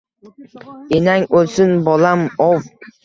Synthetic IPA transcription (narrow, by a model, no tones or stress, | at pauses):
enaŋolˠsʊnbɒlamɒw